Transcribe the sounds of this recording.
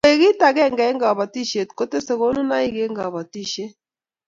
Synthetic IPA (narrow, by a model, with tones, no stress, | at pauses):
e˨ɣi˦ta˨ɣɛ˦˨ŋɡɛ˨ɛ˦ŋɡa˨βa˨ti˦ʃe˨tko˦te˦se˨ɣo˦nu˦na˦i˦ɡe˦ŋɡa˨βa˨ti˦˨ʃe˦